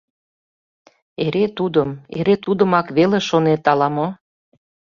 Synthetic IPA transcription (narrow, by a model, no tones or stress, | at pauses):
eɾet̪ud̪əmḛɾet̪ud̪əmɑkβeleʃonet̪ɑlɑmo